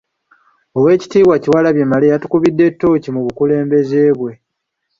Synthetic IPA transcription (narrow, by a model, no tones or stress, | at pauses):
owe̞ːci̥tiːβwaciwalaβjemalejatu̥kuβidːe̞tːo̞ːcimuβukule̞ːmbe̞ze̞ːβwe̞